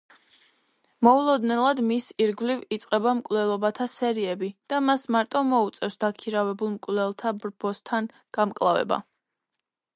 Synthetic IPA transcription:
mɔulˠɔd̪nɛlˠad̪misiɾɡvlivit̪sʼqʼɛbamkʼlɛlˠɔbat̪ʰasɛɾiɛbid̪̥amasmaɾt̪ʼɔmɔut̪sʼɛfsd̪akʰiɾavɛbulˠmkʼvlɛlˠt̪ʰabɾbɔst̪ʰan | ɡ̥amkʼlˠavɛ̰ba̰

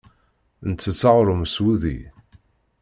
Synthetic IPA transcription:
nt͡sːət͡sːaʁɾˤʊmswuðḭ

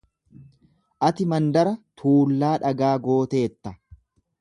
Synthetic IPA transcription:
ʔɐt̪ɪmɐnd̪ɐɾɐt̪ʰuːlːaːᶑɐɡaːɡo̞ːt̪e̞ːt̪ːɐ

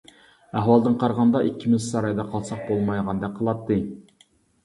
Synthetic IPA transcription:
æɦwɑlˠd̪ɨnqʰɑɾʁɑnd̪ɑʔikʲʰːimɪzsɑɾɑjd̪ɑqʰɑlˠsɑq̚bolˠmɑjʁɑnd̪ɛqʰəlˠɑt̪ʰːɨ

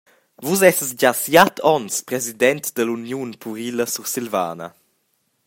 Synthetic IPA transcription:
vusɛsəsɟasjat̪ʰɔnspɾɛzid̪ɛnt̪d̪əlunjunpʰuɾiləsuɾsilva̰ːnɐ̰

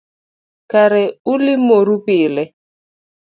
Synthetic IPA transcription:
kaɾɪʊlɪmoɾupɪːlɛ

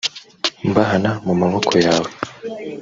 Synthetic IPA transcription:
mbaɦanamumaβokʰo̞jaːwe

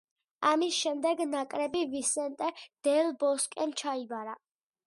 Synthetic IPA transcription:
amisʃɛmd̪ɛɡnakʼɾɛbivisɛnt̪ʼɛd̪̥ɛlbɔskʼɛnt͡ʃʰaibaɾa

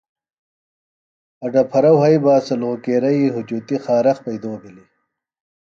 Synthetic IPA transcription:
ɐɖɐpʰɐɾɐwɦɐjbaːsɐlõːkeːɾɐiːɦud͡ʑut̪ixaːɾɐxpɐjd̪oːbili

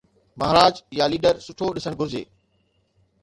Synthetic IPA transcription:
mɐɦɾaːd͡ʑjaliːɖəɾsʊʈʰoɗɪsəɽ̃ɡʱʊd͡ʑḛː

